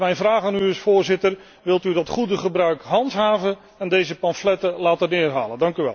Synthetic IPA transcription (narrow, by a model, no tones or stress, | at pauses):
mɛjnvraːχaːnyɪsfʊːrzɪtər | ʋɪlˠtydɔtχudəχəbrœɥkɦɑntɦaːvən | ɛndejzəpɑnflɛtəlaːtənɪːrɦa̰ːlədɑŋkyʋɛ̰lˠ